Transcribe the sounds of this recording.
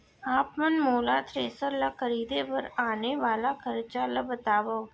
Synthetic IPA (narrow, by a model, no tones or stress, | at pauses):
aːpmənmoːlat̪ʰɾeːsəɾlakʰəɾiːd̪epɐɾaːneʋaːlakʰəɾt͡ʃalɐbət̪aːʋə